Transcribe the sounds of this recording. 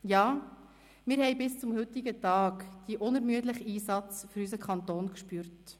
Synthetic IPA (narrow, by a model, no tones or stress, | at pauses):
jɑː | mɪɾhɛɪbɪst͡sʊmhɵt̪iɡətɑːkd̪̥iəʔʊnɛɾmyətləχiːsɑt͡sfʏɾys̬əkʰχɑnt̪oːnkʃpyːɾt